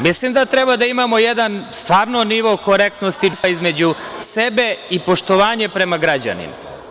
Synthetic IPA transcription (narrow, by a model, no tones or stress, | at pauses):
mislimd̪at̪ɾe̞bad̪aimamo̞jed̪anst̪ʋaːɾnoniʋo̞koɾek̚t̪no̞st̪isaizme̞d͡ʑuse̞be̞ipo̞ʃt̪o̞ʋaːɲe̞pɾe̞maɡɾad͡ʑa̰nḭma̰